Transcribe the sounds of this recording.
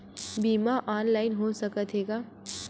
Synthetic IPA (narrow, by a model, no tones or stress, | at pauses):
biːmaʔaːnlaːɪnɦosɐkət̪ʰɦeːɡaː